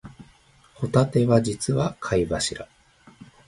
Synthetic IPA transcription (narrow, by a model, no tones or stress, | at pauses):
ho̞t̪at̪e̞βad͡ʑit͡sɨβakʰaibaɕiɾa